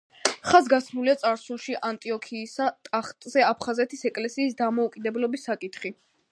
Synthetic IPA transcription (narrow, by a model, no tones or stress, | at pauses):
χazɡasmuliat̪sʼaɾsulˠʃiʔant̪ʼiɔkʰiːsat̪ʼaχt̪ʼzɛapʰχazɛt̪ʰisɛkʼlɛsiːsd̪amɔukʼid̪ɛblɔbisːakʼit̪ʰχi